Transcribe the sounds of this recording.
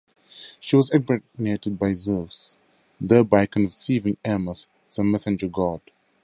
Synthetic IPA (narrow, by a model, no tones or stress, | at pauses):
ʃiwɔzɛɡ̚mɛnetəd̚baɪzɜvs | ðɛbaɪkʰə̃nsivɪ̃ŋɛməs | zəmɛsɪ̃nd͡ʒəɡɔd̥